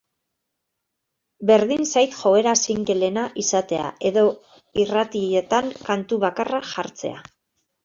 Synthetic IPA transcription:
be̞ɾðinsajt̪ʝo̞e̞ɾasiŋɡe̞le̞naʔisat̪e̞a̰e̞ðo̞ | irat̪iʎet̪aŋkant̪uβakaraʝaɾt͡se̞̰a̰

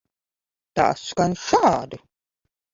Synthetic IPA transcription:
t̪a̰ːskanʃaːd̪u

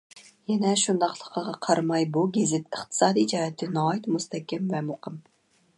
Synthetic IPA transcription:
jɛnɛʃund̪ɑqlˠəqʰəʁɑqʰɑɾmɑjbuɡʲezɪt̪əχt̪ʰɨ̥sɑːd̪id͡ʒɑːhɛt̪ʰːɪnɑːit̪must̪ɛkʲɛmvɛmoqʰəm

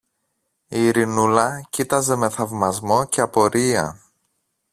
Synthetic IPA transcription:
iːɾinulɐcit̪ɐze̞me̞θɐvmɐzmo̞ce̞ɐpo̞ɾiɐ̰

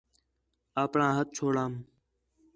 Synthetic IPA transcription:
aːpɳãːɦət̪̚t͡ʃʰoːɽãːm

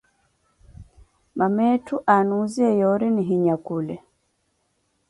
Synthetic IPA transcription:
mamɛtuʔanuziɛjɔɾɛniɦiɲakulɛ

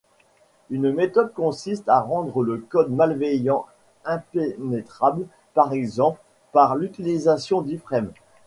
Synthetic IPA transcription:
ynmet̪ɔd̪̚kɔ̃sist̪aʁɑ̃d̪ʁələkɔd̪malvejɑ̃ | ɛ̃penɛt̪χabl | paʁɛɡzɑ̃pl | paʁlyt̪ilizasjɔ̃d̪ifχɛm

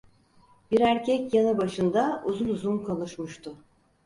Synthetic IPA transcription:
biɾæɾcʰɛcjanɯbaʃɯnd̪auzunuzunkʰolˠuʃmuʃt̪ʰʊ

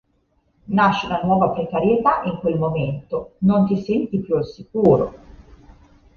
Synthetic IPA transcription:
naʃːiunanwɔːvapɾekaɾjet̪aʔiŋkwelmoment̪onont̪isɛnt̪ipjualsikuːɾo̰

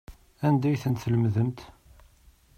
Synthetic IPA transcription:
ænd̪æjθənt̪θələmðəmt̪

